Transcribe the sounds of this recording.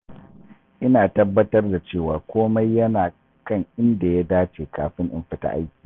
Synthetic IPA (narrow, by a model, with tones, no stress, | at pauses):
ʔɪ˦naː˨tɐ˦bːɐ˦tɐ˦rda˨t͡ʃeː˦˨waː˨kʷoː˦ma˦jːɐ˦naː˨ | kɐ˦˨ŋʔɪ˦nda˨ja˦daː˦t͡ʃeː˨kaː˨ɸɪ˦ŋʔɪ˨mɸɪ˦ta̰ː˦ʔa̰˦jkʲi̥ː˨